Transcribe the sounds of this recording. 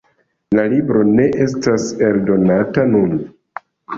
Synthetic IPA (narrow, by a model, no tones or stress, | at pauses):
lalibɾo̞ne̞ʔe̞s̬tase̞ldo̞natanun